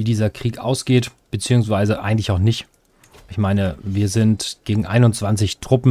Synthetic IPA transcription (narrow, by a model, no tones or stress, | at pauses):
viːdiːzɐkʁ̥iːkʔa̰ʊsɡ̥eːtb̥ət͡siːʊŋsv̥aɪzəʔa̰ɪɡŋ̩tlɪçaʊxnɪçt | ʔɪçmaɪnəviːɐzɪntɡ̥eːɡŋ̩ʔa̰ɪnʊnt͡sv̥ant͡sɪçtʁ̥ʊpm̩